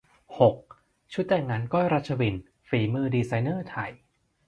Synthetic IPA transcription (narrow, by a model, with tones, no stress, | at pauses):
ho˨˩k̚ | t͡ɕʰu˦˥t̪̚ːɛː˨˩ŋaː˧nkɔ˥˩jɾa˦˥t̪̚t͡ɕʰa˧wi˨˩n | fiː˨˩mɯː˧diː˧sa˧jnɤː˥˩t̪ʰa˨˩j